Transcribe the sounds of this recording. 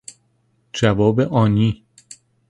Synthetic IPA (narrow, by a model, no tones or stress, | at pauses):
d͡ʒævɒːbeʔɒːniː